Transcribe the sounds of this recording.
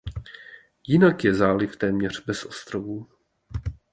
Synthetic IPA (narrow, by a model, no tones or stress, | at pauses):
jɪnakjɛzaːlɪft̪ɛːmɲɛr̝̥bɛsʔost̪ɾovu